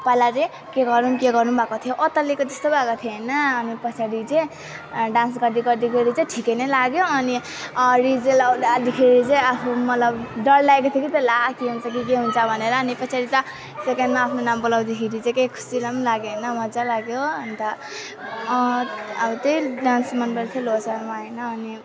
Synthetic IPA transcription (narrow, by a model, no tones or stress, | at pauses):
pajlat͡sʌj̃ | keɡʌɾnunkeɡʌrnubʱakot̪ʰijoʔʌt̪ʌlikod͡zʌst̪obʱakot̪ʰioɦenʌːnipʌt͡sʰaɽit͡saj | ɖãnsɡʌɾd̪iɡʌɾd̪ikʰeɾit͡sʌj̃ʈʰikejnʌjlaɡjoʌni | ɾid͡zelawd̪ad̪ikʰeɾit͡sʌj̃apʰumʌt̪lʌbɖʌllaekot̪ʰjokit̪ʌlak̪ʰiɦunt͡sʰʌk̬ikeɦunt͡sʰʌbʱʌneɾʌːnipʌt͡sʰaɽit̪ʌ | sekenɖmaːpʰnonambʌlawd̪ikʰiɾit͡sẽkejkʰu̥silamnlaɡjoɦnʌmʌd͡zalaɡjoʌnit̪ʌ | but̪ʌjɖansmʌnbelt̪ʰielosaɾmaɦenʌːni